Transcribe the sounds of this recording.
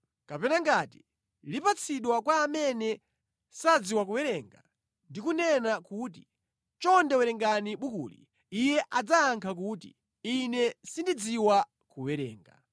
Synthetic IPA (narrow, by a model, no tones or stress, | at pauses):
kapɛnaŋɡati | lipat͡sʰiɗwakwaːmɛnɛ | sad͡ziwakuwɛɾɛŋɡa̰ | ndikunɛnakut̬i | t͡ʃɔndɛwɛɾɛŋɡaniɓukṵːlḭ | ijɛʔad͡zaːŋkʰak̬utḭ | inɛsindid͡ziwa | kuwɛɾɛ̰ːŋɡa̰